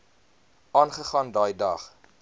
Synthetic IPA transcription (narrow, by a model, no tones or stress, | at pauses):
ɑːnχəχɑːndɑːjdɐχ